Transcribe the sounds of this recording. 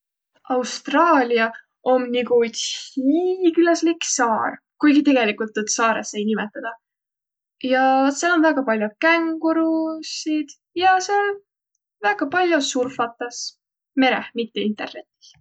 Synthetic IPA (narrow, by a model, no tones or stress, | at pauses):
ɑwst̪rɑːlʲiɑ | omniɡuthikylɑsliksɑːr | kujɡit̪e̞ɡe̞likult̪ːud̪sɑːɾesːe̞jnimet̪ːˑɑd̪̥ɑ | jɑselonvæɡ̥ɑpɑlʲjokæŋɡuɾusid̪̥ | jɑsel | væɡ̥ɑpɑlʲjosurfɑt̪ːˑɑs | me̞ɾehmit̪ːe̞int̪e̞rne̞t̪ːˑi̥s